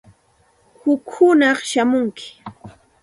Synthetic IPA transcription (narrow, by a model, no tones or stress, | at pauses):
hʊkhʊnɑχʃamʊŋkɪ̥